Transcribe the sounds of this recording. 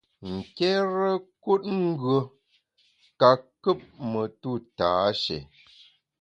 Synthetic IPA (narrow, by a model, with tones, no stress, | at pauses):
ŋ̩˨kɛ˦ɾə˦ku˦t̚ŋ̩˦ɡɥə˨ | ka˨kə˦p̚mə˨tu˦˨taː˨˦ʃɛ̰˨